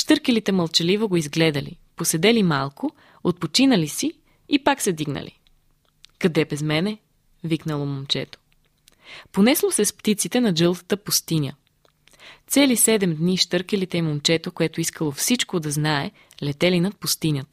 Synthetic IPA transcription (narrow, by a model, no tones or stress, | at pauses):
ʃt̪ɤɾkɛlit̪ɛməlˠt͡ʃɛlivoɡoizɡlɛd̪ɐlḭ | posɛd̪ɛlimalˠkʰo | ot̪̚pot͡ʃinəlisi | ipaksɛd̪iɡnə̰lḭ | kɐd̪ɛbɛzmɛnɛ | viknəlˠomomt͡ʃɛ̰t̪o̥ | ponɛslˠosɛspt̪it̪sit̪ɛnɐʒɤlˠt̪ə̥t̪əpʊst̪inʲə̰ | t̪sɛlisɛd̪ɛmd̪niʃt̪ɤɾkɛlit̪ɛimomt͡ʃɛt̪okoɛt̪oiskəlˠofsit͡ʃkod̪ɐznaɛ | lɛt̪ɛlinɐt̪̚pʊst̪inʲət̪